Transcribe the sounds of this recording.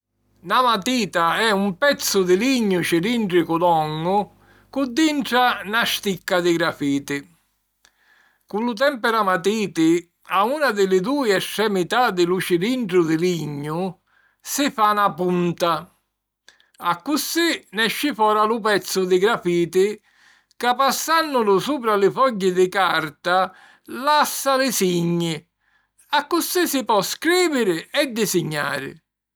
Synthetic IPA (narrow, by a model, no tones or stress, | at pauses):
namat̪iːt̪aɛumpɛt̪sːʊd̪ɪliɲːʊt͡ʃiɾiɳʈɾɪkulɔŋːʊ | kud̪ːiɳʈɾanaʃt̪ikːad̪ɪɡɾafiːt̪ɪ | kulut̪̬ɛmpɛɾamat̪iːt̪ɪ | aunad̪ɪlɪd̪uːjɛsɾɛmit̪ad̪ɪlut͡ʃiɾiɳʈɾʊd̪ɪliɲːʊ | sɪfanapunt̪a | akːʊsinɛʃːɪfɔːɾalʊpɛt̪sːʊd̪ɪɡɾafiːt̪ɪ | kapːasːanːʊlʊsuːp̬ɾalɪfɔɟːɪd̪ɪkaɾt̪a | lasːalɪsiɲːɪ | akːusisɪpɔskɾiːvɪɾɪɛd̪ːɪsɪɲːa̰ːɾɪ̰